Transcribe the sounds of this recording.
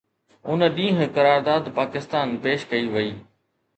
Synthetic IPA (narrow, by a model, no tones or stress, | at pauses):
ʊnə̆ɗĩːɦ̆kɐɾaːɾd̪aːd̪paːkɪst̪aːnpeːʃkɐiʋɐiː